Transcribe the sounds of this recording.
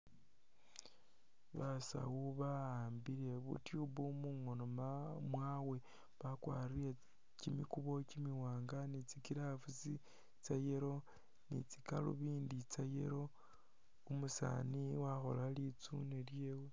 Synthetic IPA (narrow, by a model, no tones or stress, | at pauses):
βasa̰wuβaaːmbile̞βṵtjuβumuŋonomamwawe̞ | βakwa̰ːɾile | cimikuβo̞cimiwaːŋɡanit͡sikiɾafut͡si | t͡sajeɾo̞ | nḭt͡si̥kalṵβiːndit͡sajḛɾo̞ | umusa̰niwaxo̞̰lalit͡suneljewe